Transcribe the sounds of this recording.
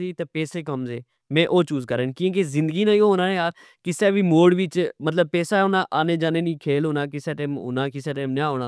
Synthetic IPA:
iːt̪eːpɛːseːkəmzeː | mɛ̃ːʔoːt͡ʃuːzkəɾeːnkĩk̬ezɪ̃nd̪ɡiːnãːĩɦoːnaːejaːɾ | kɪsɛːʋiːmoːɽʋɪt͡ʃmət̪ləb̚pɛːsaːɦoːnaːʔaːneːd͡ʒaːneːnĩːkʰeːlɦoːnaːkɪsɛːʈeːmɦo̰ːnaːkɪsɛːʈɛːmnaːɦoːnaː

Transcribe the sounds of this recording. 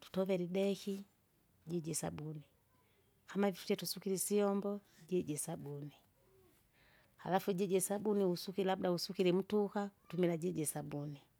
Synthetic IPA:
tu̥tɔvɛlidɛki | ɟɛɟɛsabuni | kʰamavifu̥tɛtusukilisiɔmbɔ | ɟɛɟɛsabuni | ha̰lafuɟɛɟɛsabuniusukilabdausukilim̩tukau̥tumilaɟɛɟɛsabuni

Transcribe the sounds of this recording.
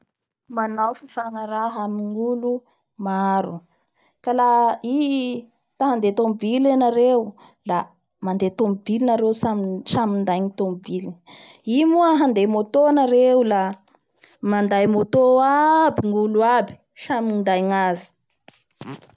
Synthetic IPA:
manawfifaŋaɾaɦamiŋulu | maɾu | kalai | t̪aɦand̪et̪ombilenaɾeu | la | mand̪et̪ombilinaɾewsamsamind̪ajŋit̪ombiliimuəɦand̪emot̪onaɾeula | mand̪ajmot̪oabiŋuluabi̥ | samiind̪ajŋazi̥

